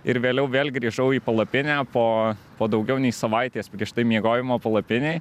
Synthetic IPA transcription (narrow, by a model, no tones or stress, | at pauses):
ɪɾʋʲeːlʲɛʊʋʲeːlʲɡɾʲiːʒɐʊiːpɐlˠɐpʲɪnʲæːpoːpoːd̪ɐʊɡʲɛʊnʲɛɪsɐʋɐɪt̪ʲeːspʲɾʲiɛʃt̪ɐɪmʲiɛɡoːjʲɪmoːpɐlˠɐpʲɪnʲeː